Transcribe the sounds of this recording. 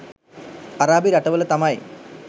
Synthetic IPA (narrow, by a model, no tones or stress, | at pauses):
ɐraːbiɾɐʈːɐʋɐlet̪ɐmaːjḭ